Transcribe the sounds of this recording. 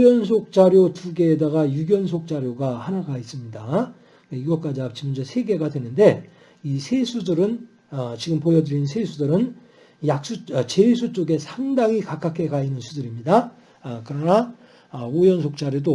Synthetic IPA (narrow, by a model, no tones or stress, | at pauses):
jʌns̬ʰok̚t͡ɕ͈aɾjotuɡe̞ːdaɣajuɡjʌnsʰok̚t͡ɕ͈aɾjoɡahanaɡais͈ɯmɲida | eiɡʌk͈ad͡ʑiapt͡ɕ͈ʰimʌnd͡ʑosʰe̞ɡe̞ɡadwe̞nɯnde̞ | isʰe̞sʰudɯɾɯn | ʌt͡ɕiɡɯmpojʌdɯɾinsʰe̞sʰudɯɾɯn | jak̚s͈uʌt͡ɕe̞ɭsʰut͡ɕ͈oɡe̞sʰaŋdaŋikak͈akʰe̞kainɯnsʰudɯɾimɲida | kɯɾʌna | ʌujʌnsʰok̚t͡ɕ͈aɾjodo